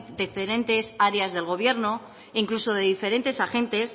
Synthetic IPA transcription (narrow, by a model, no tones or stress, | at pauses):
d̪efeɾe̞nt̪e̞saɾeazðe̞lɣ̞o̞β̞je̞ɾno̞ | iŋkluso̞ð̞e̞ðife̞ɾe̞nt̪e̞saxe̞nt̪e̞s